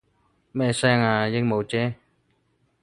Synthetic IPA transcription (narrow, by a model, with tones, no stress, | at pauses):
mɛː˥sɛː˥ŋaː˧jɪ˥ŋ̚mo˨˧wt͡ɕɛː˦˥